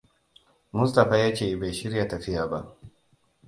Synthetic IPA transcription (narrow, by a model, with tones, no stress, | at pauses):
mʊ˦sta˨ɸaː˦jaː˦t͡ʃeː˨be˨jʃɪ˦ɾja˨tɐ˨ɸɪ˦jaː˨ba˦ʔ